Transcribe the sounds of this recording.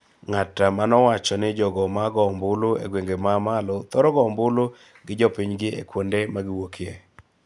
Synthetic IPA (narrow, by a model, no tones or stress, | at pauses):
ŋatːamanɔwat͡ʃɔnɪd͡ʒɔɡɔmaɡɔmbʊloḛɡweŋɡemamalɔt̪ɔɾɔɡɔmbʊlo | ɡɪd͡ʒɔpɪɲɡɪḛkwondemaɡɪwokʰɪe